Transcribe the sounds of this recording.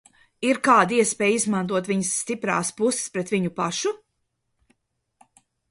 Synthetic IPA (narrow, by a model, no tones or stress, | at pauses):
iɾkaːd̪iɛspɛːjizmant̪̬uɔt̪vʲiɲsːt̪ipɾa̰ːspusɪ̥spɾɛt̪vʲiɲupaʃu